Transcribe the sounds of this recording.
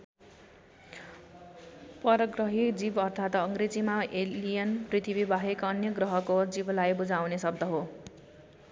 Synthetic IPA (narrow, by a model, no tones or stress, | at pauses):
pʌɾʌɡrʌɦid͡zibʌrt̪ʰat̪ʌŋɡɾed͡zimaʔelijʌnprit̪ʰibibaɦekʌnjʌɡrʌɦʌkod͡ziblajbud͡zawnesʌb̚d̪ʌɦo